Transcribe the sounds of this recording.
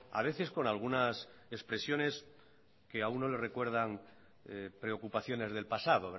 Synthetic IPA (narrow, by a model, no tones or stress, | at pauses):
a̰β̞e̞θe̞sko̞nalɣ̞unasespɾe̞sjo̞ne̞s | ke̞aunːo̞le̞re̞kwe̞ɾð̞aŋ | pɾe̞o̞kupaθjo̞ne̞zðe̞lpasað̞o̞β